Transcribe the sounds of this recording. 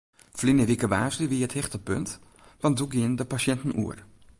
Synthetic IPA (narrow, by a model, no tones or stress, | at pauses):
flinəɾikəʋaːzliʋiəthɪχtəpønt | vɑntduɡiəndəpaʃɛntən̩ṵər